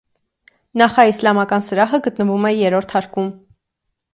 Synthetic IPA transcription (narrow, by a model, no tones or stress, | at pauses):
nɑχɑislɑmɑkɑnsəɾɑɦəɡət̪nəvumɛjɛɾɔɾt̪ʰɑɾkum